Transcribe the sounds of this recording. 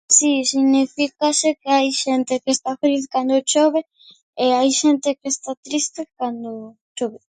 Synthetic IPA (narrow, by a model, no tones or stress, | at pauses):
sisiɣnifikasekeajʃent̪ekest̪afeliθkand̪ʊt͡ʃoβe | eajʃent̪ekest̪at̪ɾist̪ekand̪ʊ | t͡ʃoβe